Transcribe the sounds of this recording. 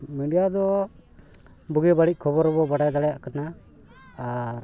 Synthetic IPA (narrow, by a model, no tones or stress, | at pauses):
miɖijad̪ɔ | buɡɛbaɽic̚ˀkʰɔbɔɾɔbɔbaɽajd̪aɽɛjaʔkanaː | ɾ